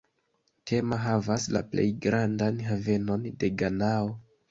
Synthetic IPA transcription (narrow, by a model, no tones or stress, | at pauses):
tʰe̞maɦavaslaple̞̰jɡɾandanɦave̞no̞nde̞ɡanao